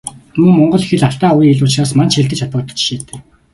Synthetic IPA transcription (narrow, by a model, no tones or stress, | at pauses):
mɵŋmɔɴɢɞ̆ɮixɘ̆ɮaɬt̪aːujiiɮʊːt͡ɕraːsmant͡ɕxeɮt̪ɘ̆t͡ɕʰat̪ɔːt̪ə̥̆t͡ɕʃiːt̪eː